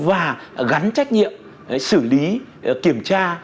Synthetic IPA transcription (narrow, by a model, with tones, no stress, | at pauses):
vaː˨˩ɣa˨˦nt͡ɕa˦˥jk̟̚ɲḭ˧˨əm | sɨ˧˩li˨˦ki˧˩əmt͡ɕaː˧